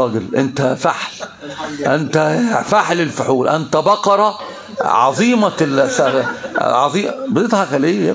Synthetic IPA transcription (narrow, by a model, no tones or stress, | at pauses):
ɑːɡelʔent̪æfaħl | ʔænt̪æfaħlɪlfʊħuːlʔænt̪æbɑqɑɾˤɑ | ʕɑ̰zˤiːmɑls | ʕɑ̰zˤiːbd̪et̪hæxælijːæ